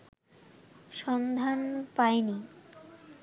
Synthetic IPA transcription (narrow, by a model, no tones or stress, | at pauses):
ʃɔnd̪ʱanpajni